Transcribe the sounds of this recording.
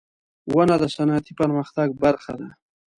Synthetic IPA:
wanad̪əsanat̪ipəɾməxt̪aɡ̚baɾxad̪a

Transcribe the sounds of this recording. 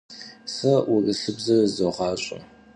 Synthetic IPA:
sɐʔʊrɨɬɨbzɐrzoʁɑːɕʼʊ̰

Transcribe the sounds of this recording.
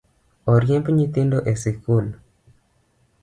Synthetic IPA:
ɔɾjempɲit̪ɪndoʔesɪkul

